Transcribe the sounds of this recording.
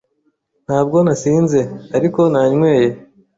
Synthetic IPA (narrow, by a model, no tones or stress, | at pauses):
n̥haːb̚ɡo̞nasiːnze̞aɾiko̞naɲmwe̞ːje̞